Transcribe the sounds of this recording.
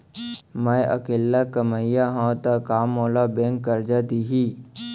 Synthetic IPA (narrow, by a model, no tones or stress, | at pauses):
mə̃jʔə̰keːlːakəməjaɦãt̪akaːmoːlabẽŋkːəɾd͡ʒat̪iɦi